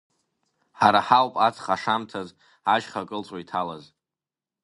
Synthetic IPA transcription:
ħaɾaħawpʼat͡sʰʼχaʂamtʰaz | aʒχakʼɨlt͡sʼaitʰalaz

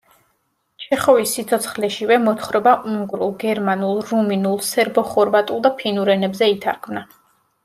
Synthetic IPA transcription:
t͡ʃʰɛχɔvisːit̪sʰɔt̪sʰχlɛʃivɛmɔt̪ʰχɾɔbauŋɡɾulˠɡɛɾmanulˠɾuminulˠsɛɾbɔχɔɾvat̪ʼulˠd̪apʰinuɾɛnɛbzɛit̪ʰa̰ɾkʰmna

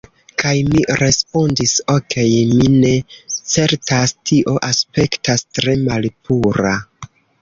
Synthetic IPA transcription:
kajmiɾe̞spo̞ndiso̞ke̞jmine̞t͡se̞ɾtastiʔo̞ʔaspe̞ktastɾe̞malpuɾa

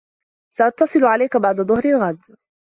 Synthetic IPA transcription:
saʔɑt̪ːɑsˤɨlʕalajkabaʕd̪aðˤʊhɾɪlɣad̪

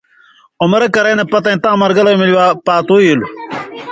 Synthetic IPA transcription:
omɾɐkɐɾɐnɐpɐt̪ɐĩt̪ãːmɐɾɡɐlɐjmiliwaːpaːt̪oːijilu

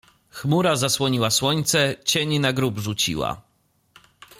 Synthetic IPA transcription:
xmuɾazaswɔɲiwaswɔɲt̪sɛt͡ɕeɲinaɡɾubʐut͡ɕḭwa̰

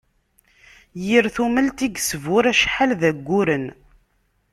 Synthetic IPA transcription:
jiɾθumælt̪iɡsvʊɾæʃħalðæɡʷːuɾən

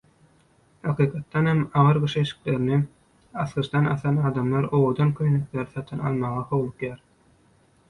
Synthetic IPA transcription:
hɑqʰɯːqʰɑt̪ːɑnhemɑʁɯɾɡɯʃeʃi̥kleɾini | ɑθʁɯʃd̪ɑnɑθɑnɑːd̪ɑmlˠɑɾo̞wod̪ɑnkʰønekleɾiθɑt̪ʰɯnɑ̰lˠmɑʁɑhowlˠuqjɑːɾ

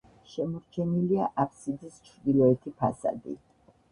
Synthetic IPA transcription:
ʃɛmɔɾt͡ʃʰɛniliaʔapʰsid̪ist͡ʃʰɾd̪ilɔɛt̪ʰipʰa̰sa̰d̪ḭ

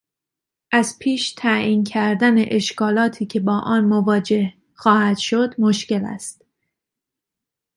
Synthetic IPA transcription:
ʔæzpʰiːʃt̪ʰæiːncʰæɾd̪æneʔeʃkɒːlɒːt̪ʰiːcʰe̞bɒːʔɒːnmovɒːd͡ʒe̞h | xɒːhæd̪̥ʃod̪moʃce̞læ̰st̪

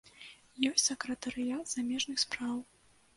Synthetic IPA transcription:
jɔsʲsɐkɾɐt̪ɐɾɨjat̪z̥amʲɛʐnɨxspɾaw

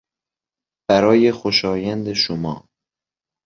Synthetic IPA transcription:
b̥æɾɒːjexoʃɒːjænd̪eʃomɒ̰ː

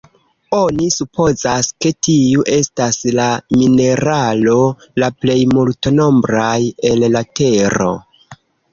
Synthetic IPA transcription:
o̞nisupʰo̞zaske̞tʰiuʔe̞staslamine̞ɾalo̞ | laple̞jmultono̞mbɾaje̞llate̞ɾo̞̰

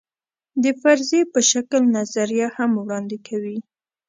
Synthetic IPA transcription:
d̪əfaɾzepəʃaklnazaɾijahamwɽɑnd̪ɪkʰawi

